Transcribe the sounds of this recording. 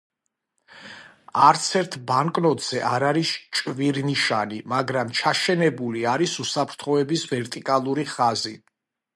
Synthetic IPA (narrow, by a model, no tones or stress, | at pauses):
aɾt̪sʰɛɾt̪ʰbaŋkʼnɔt̪ʼz̥ɛʔaɾaɾist͡ʃʼviɾniʃanimaɡɾamt͡ʃʰaʃɛnɛbuliaɾisusapʰɾt̪ʰχɔɛbisvɛɾt̪ʼikʼalˠuɾiχazi